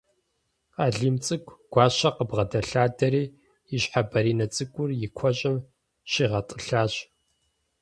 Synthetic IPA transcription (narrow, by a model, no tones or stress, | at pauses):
aːɮiːmt͡sʼɨkʷʰʼɡ̥ʷɑːɕɐqəbʁɐdɐɬaːdɐɾiː | ɪɕħabɐɾiːnɐt͡sʼɨkʷʼʊrjɪkʷʰɔɕʼɪm | ʃiːʁɐtʼɨɬaːɕ